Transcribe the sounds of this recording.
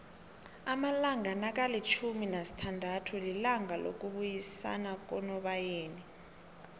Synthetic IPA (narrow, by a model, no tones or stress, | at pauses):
amalaŋʱanak̬ʼalit͡ʃʰuminasi̥tʰandʱatʰulilaŋʱalo̰k̬ʼuɓujisa̰nak̬ɔnɔɓajeːni